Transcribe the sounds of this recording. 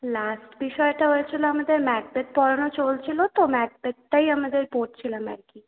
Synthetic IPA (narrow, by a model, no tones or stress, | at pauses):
lasʈbiʃɔeʈaɦojet͡ɕʰiloamad̪eɾmɛʈ̚bet̪̚pɔɾanot͡ɕolt͡ɕʰilot̪omɛʈ̚bet̪̚ːajamad̪eɾpoɾʈ̚t͡ɕʰilamɛ̰ɾki